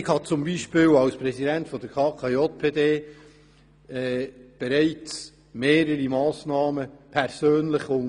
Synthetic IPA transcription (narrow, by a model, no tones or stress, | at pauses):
ɪkhɑt͡sʊmbiʃpɪːlɑwspɾɛsidɛntfɔd̥əɾkʰɑːkʰɑjot̚pʰeːdeː | ɛːb̥ɛɾæɪt͡s | meːɾəɾimɑːsnɑːməpʰɛɾsøːnlɪχʊn